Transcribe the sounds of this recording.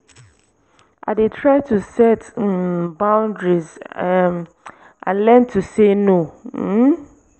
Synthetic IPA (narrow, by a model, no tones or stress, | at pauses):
ʔa̰detʰɹaɪtʰusɛt̩ | bãʊ̃ndɹiz | ʔã̰nlɛ̃ntʰusenõ